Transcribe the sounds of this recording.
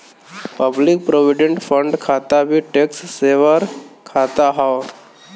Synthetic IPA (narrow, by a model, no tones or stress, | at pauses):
pəblɪk̚pɾoːʋɪɖẽɳʈfʰəɳɖkʰaːt̪abʱiʈeksseːʋəɾkʰaːt̪aɦa